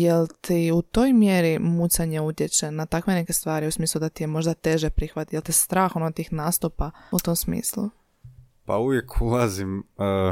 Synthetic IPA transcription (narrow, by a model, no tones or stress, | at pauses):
jelt̪ʰiut̪o̞jmjeɾimusaɲeut̪ʲje̞t͡ɕe̞nat̪akʋe̞ne̞ke̞st̪ʋaːɾiusmiːslˠud̪at̪ijemo̞ʒd̪at̪e̞ʒepɾixʋat̪jelˠt̪ist̪ɾaːxonoat̪iːxnaːst̪upaut̪o̞msmḭːslu | pa̰uʋjekʰulazimə